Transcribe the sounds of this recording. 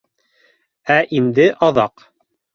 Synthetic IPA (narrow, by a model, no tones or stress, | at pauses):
æʔind̪ɘʔɑðɑq